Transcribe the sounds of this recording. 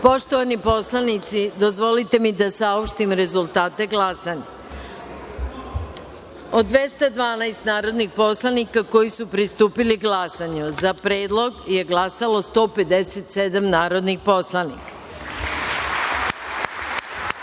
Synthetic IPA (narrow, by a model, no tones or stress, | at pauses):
po̞ʃt̪oʋanipo̞slˠanit̪sid̪o̞zʋo̞lit̪e̞mid̪asaopʃt̪imɾe̞zulˠt̪aːt̪e̞ɡlasaɲa | o̞d̪ʋe̞st̪ad̪ʋaːnajst̪naːɾo̞d̪nixpo̞slˠanikako̞jisupɾist̪uːpiliɡɡlˠasaɲuzapɾeːd̪lˠo̞ɡje̞ɡlˠasalo̞st̪o̞ːpe̞d̪eset̪se̞d̪amnaːɾo̞d̪nixpo̞slˠanḭkḁ